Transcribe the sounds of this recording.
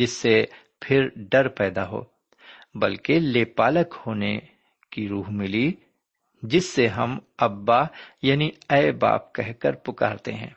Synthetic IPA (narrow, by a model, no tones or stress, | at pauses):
d͡ʒɪsːe | pʰɪɾɖɐɾpɛːd̪aɦo̰ː | bɐlkeleːpaːləkhoːne | kiɾuːɦmɪli | d͡ʒɪsːeɦɐmɐbːajaːniɛːɪba̰ːp̚kɛɦkəɾpʊka̰ːɾt̪eɦɛ̰̃ː